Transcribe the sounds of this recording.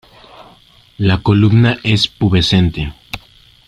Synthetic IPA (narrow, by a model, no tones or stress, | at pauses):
lako̞lubnaʔespuβe̞sent̪e